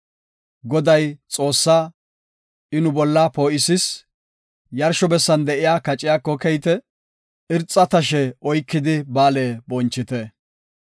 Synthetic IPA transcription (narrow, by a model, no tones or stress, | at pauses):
ɡɔd̪ɐjt͡sʼo̞ːsːaː | ɪnʊbɔlːapo̞ːʔɪsɪs | jɐɾʃɔbɛsːɐnd̪ɛʔɪjaːkɐt͡ʃʼːɪjaːkːɔkɛjt̪ɛ | ɪɾt͡sʼːɐt̪ɐʃɛɔjkːɪd̪ɪbaːleːbɔnt͡ʃːɪt̪ɛ